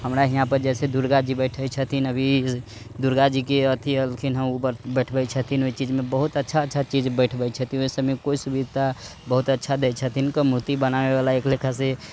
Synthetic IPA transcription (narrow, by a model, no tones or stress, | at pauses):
həmɾaɦiɦãpəɾd͡ʒɛsed̪uɾɡad͡ʒibəɪʈʰəjt͡ʃʰət̪ʰinəbʱi | d̪uɾɡad͡ʒikeət̪ʰiəlkʰinɦəmubəɾbəjʈʰbɛt͡ʃʰət̪ʰinoit͡ʃid͡ʒmebəɦut̪ətːʃʰaətːʃʰat͡ʃid͡ʒbəɪʈʰbɛjt͡ʃʰət̪ʰĩoisəbmekoisubid̪ʱt̪ʰabəɦut̪ətːʃʰad̪ɛt͡ʃʰət̪ʰinkəmɾut̪ibənawebalaeklekʰase